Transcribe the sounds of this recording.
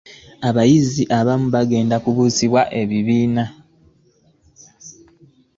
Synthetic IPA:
aβajiziʔaβamuβaɡe̞ːndakuβuːsiβwaʔe̞βiβiːna

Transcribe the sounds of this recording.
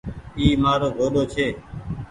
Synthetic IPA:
iːmaːɾoːɡʱoːɗoːt͡ʃʰeː

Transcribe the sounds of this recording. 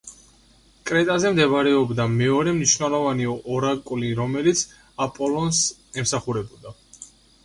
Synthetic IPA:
kʼɾɛt̪ʼazɛmd̪ɛvaɾɛɔbd̪amɛɔɾɛmniʃvnɛlˠɔvaniɔʔɔɾakʼwliɾɔmɛlit̪sʰ | apʼɔlˠɔnsɛmsaχuɾɛbɔd̪a

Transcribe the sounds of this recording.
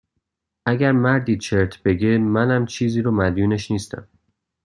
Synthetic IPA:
ʔæɡæɾmæɾd̪iːt͡ʃʰe̞ɾt̪ʰbe̞ɡemænæmt͡ʃʰiːziːɾomæd̪juːne̞ʃniːst̪æ̰m

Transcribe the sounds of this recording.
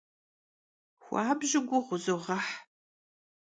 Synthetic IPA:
xʷɑːbʑɪɡʷʊʁʷʊzɨʁɐħ

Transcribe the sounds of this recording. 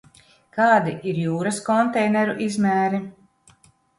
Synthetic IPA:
kɑːd̪iʔiɾjuːɾɐskɔnt̪ɛjnɛɾuʔizmæːɾi

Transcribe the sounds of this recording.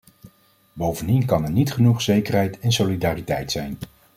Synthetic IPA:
bowvəndinkɑnɛɹnitχənuχz̥ejkərɦɛjtɛnsolidaːritɛjtsɛjn

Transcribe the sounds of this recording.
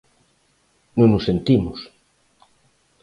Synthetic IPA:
nõŋnʊsent̪imʊs

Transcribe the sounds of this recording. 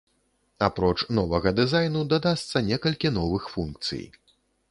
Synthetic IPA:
apɾɔt͡ʂnɔvɐɣɐd̪ɨzajnud̪ɐd̪ast̪sɐnʲɛkɐlʲkʲin̪ɔvɨxfunk̚t̪sɨ̰j

